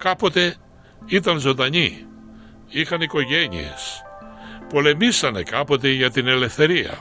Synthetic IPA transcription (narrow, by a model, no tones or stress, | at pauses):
kɐpo̞t̪e̞ | it̪ɐnzo̞nd̪ɐɲi | ixɐniko̞ʝe̞ɲḭḛs | po̞le̞misɐne̞̰kɐpo̞t̪e̞ʝɐt̪ine̞le̞fθe̞ɾiɐ̰